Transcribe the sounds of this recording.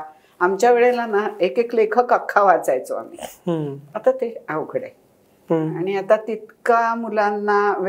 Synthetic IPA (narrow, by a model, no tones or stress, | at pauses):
amt͡ɕjaʋeɭelanaekeklekʰəkakʰːaʋat͡sajt͡so̰a̰m̤ḭːɦət̪at̪eawɡʱɽḛ | aɽ̃iat̪at̪it̪kamulanːaʋ